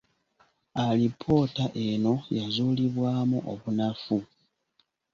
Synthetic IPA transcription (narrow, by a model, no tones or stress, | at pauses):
alipʰo̞taʔe̞no̞jazuːliβwaːmuʔoβunafu